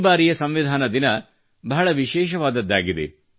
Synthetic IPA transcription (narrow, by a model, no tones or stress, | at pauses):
baːɾijɐsɐmʋid̪ʱaːnɐd̪inɐ | bɐɦɐɭɐʋiʃɛːʃ̬ɐʋaːd̪ɐd̪ːaːɡid̪ḛ